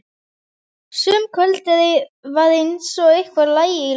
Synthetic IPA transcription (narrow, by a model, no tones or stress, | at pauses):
sʏːmkʰœlt̪ɛðɪvaðejnsɔɣehkvaɾlaːjɪi